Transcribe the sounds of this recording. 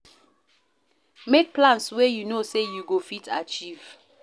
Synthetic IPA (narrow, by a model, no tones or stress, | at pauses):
mek̚plãnswejunosejuɡofitʰat͡ʃiv̥